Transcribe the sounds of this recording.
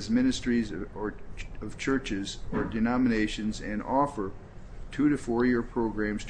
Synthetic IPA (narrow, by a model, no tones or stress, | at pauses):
zmɪ̃nɨstɹ̥izə˞ʌv̥t͡ʃʰɜ˞t͡ʃɪzə˞dɨnɑmɨneɪʃɨ̃nzɨ̃nɔfə˞ | tʰʉɾɨfɔɹjɪɹpʰɹ̥oʊɡɹæ̃mz̥tʰ